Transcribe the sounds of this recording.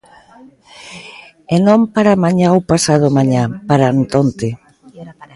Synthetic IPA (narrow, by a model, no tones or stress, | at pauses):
enõmpaɾamaɲãwpasað̞ʊmaɲapaɾant̪ont̪ɪ